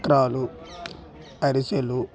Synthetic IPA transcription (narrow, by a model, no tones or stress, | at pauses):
kɾaːlu | ɐɾiselu